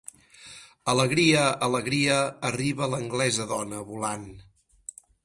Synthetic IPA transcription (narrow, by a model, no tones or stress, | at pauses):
ələɣɾiəələɣɾiəːriβələŋɡlɛzəðɔnəβulan